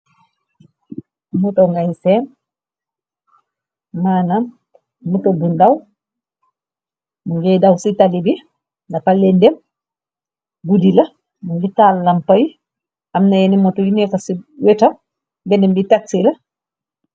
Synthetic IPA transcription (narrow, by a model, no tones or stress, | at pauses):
mutɔŋɡajsɛn | maːnam | mutɔbundaw | muŋɡɛdawsitalibi | napalɛndɛm | ɡudila | muŋɡɛtalːampaj | ʔamnajenimɔtɔjinɛkasiwɛta | bɛnɛmbitatːila